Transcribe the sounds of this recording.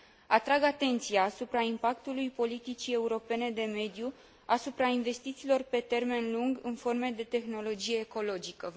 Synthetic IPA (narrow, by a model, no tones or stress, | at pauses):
at̪ɾaɡat̪e̞nt̪sijaːsupɾaimpakt̪ulujpo̞lit̪it͡ʃie̞uɾo̞pe̞ne̞d̪e̞me̞d̪ju | asupɾainve̞st̪it̪silo̞rpe̞t̪e̞rme̞nluŋɡɨnfo̞rme̞d̪e̞t̪e̞xno̞lo̞d͡ʒije̞ːko̞lo̞d͡ʒikə